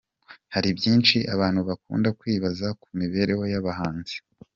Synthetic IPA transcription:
haɾibjiːnt͡ʃiʔaβaːn̥huβakṵːndakwiːβazakumiβe̞ɾe̞ho̞jaβahaːnz̥e̥

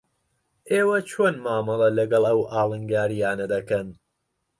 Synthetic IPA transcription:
ʔeːwɐt͡ʃʰoːnmaːmɨlˠɐlɐɡɐlˠɐwʔɑːlˠɨŋɡaːɾijaːnɐd̪ɐkɐn

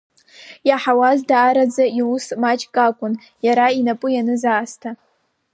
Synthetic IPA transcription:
jaħawazdaːɾad͡zaiusmat͡ʃʼkʼakʷʼʊn | jaɾainapʼʊjanɨzaːstʰa

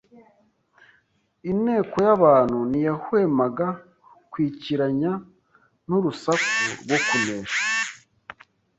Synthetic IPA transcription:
ine̞ːko̞jaβaːn̥hunijahwe̞ːmaɡa | kwiːciɾaɲa | n̥uɾusakuɾɡwo̞kuneːʃḁ

